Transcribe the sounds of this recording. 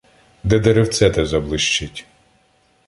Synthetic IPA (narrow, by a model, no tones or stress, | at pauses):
d̪ɛd̪ɛɾewt̪sɛt̪ɛzɐblˠɪʃt͡ʃɪtʲ